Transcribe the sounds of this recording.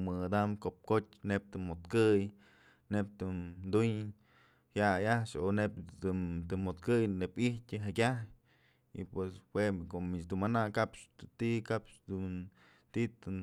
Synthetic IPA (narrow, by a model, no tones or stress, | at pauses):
mɨad̪amkop̚kotʲnep̚t̪ɨmot̪kɨj | nep̚t̪ɨd̪uɲ | hjajaʂonep̪ɨt̪ɨnmot̪kɨjnepihtʲɨɦakʲahj | ḭpweswekomit͡ʃd̪umanakapʃt̪ikapʃd̪un | t̪it̪ɨ